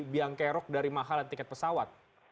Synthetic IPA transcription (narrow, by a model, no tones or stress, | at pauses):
biaŋkɛɾɔk̚daɾimaɦalant̪ikɛt̪̚pəsawat̪̚